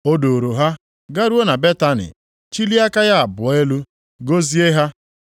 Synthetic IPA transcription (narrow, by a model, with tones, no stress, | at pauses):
o˦do˨o˨ɾo˨ɦa˦ | ɡa˦ɾu˦o˦na˨be˦ta˦nɪ̰˨ | t͡ʃi˦li˦a˦ka˦ja˦a˨bʊ˨˦e˦lu˦ | ɡo˦zi˦e˦ɦa˦